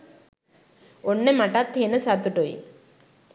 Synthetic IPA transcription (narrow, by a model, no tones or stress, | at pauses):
oɳːemaʈat̪ʰːenəsat̪uʈojḭ